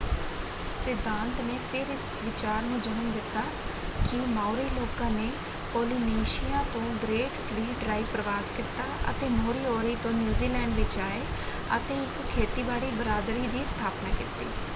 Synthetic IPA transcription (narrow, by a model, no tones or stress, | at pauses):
sɪd̪ʱãːnt̪neːpʰɪɾɪs | ʋɪt͡ʃaːɾneːd͡ʒənəmd̪ɪt̪ːaː | kɪmaːʊɾiːloːkãːneː | poːliːneːʃijãːt̪õːɡɾeːʈpʰliːɖɾaːipɾəʋaːskit̪aːʔə̰t̪eːmoːɾiːoːɾiːt̪õːnjuːziːlɛːɳɖʋɪt͡ʃaːeː | ə̰t̪eːɪkkʰeːt̪iːbaːɽiːbəɾaːd̪ɾiːd̪iːst̪ʰaːpnaːkɪt̪ḭː